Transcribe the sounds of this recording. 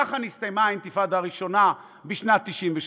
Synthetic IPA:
aχanist̪ajmaimt̪ifad̪aʁiʃo̞na | biʃnat̪ːiʃimveʃ

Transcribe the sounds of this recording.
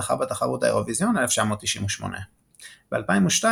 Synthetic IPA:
χa̰bat̪aχaʁut̪a̰ḛʁo̞vizjo̞neleft͡ʃamo̞ːt̪ːiʃimwuʃmo̰nʔḛ | b̥ealpaimuʃta

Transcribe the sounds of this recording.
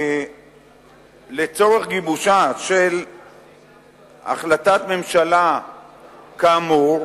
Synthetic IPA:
let͡so̞ʁeχɡibuʃaʃel | a̰χlat̪at̪me̞mʃala | kamuʁ

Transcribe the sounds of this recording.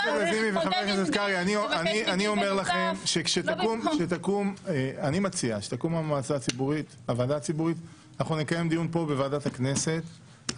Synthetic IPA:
olezimiveχavetakneset̪kaʁianioʔanianio̞me̞ʁlaχe̞mʃekʃet̪akumʃet̪akumeanimat͡siaʃe̥t̪akumamaːt͡sat͡sibuʁit̪ | avaːdat͡sibuʁit̪ | anaχnunekaje̞md̪ijunpo̞bevaːdat̪akne̞se̞t̪

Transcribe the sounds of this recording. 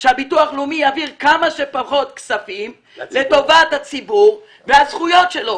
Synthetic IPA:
ʃeabituaχlumijaviʁkamaʃepaχo̞t̪ksafim | le̞t̪o̞vat̪hat͡sibuʁ | veazχujo̞tʃelo̞

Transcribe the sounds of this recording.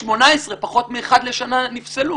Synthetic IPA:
ʃmo̞naesʁepaχo̞t̪miːχad̪le̞ʃananifselu

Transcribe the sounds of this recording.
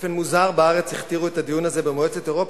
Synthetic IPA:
fenmuzaʁbaaʁe̞t͡siχt̪iʁuet̪ad̪ijunaze̞bemoet͡set̪e̞ʁo̞p

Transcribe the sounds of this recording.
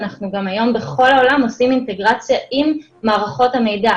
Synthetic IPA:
naχnuɡamajo̞mbeχo̞laolamosiminte̞ɡʁat͡sjaʔimː | aːʁaχo̞thame̞jda

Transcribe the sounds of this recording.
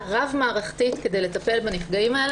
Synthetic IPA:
ʁavmaːʁaχtitkedejle̞tɐpe̞lbanifɡaimae

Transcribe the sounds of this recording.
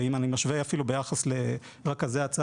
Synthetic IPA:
imanimaʃveafilubejaχasle | ʁakazeat͡sa

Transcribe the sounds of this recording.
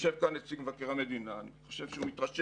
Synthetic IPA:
ʃevkanet͡siɡvakeʁamed̪inaːniχo̞ʃevʃeumit̪ʁaʃe

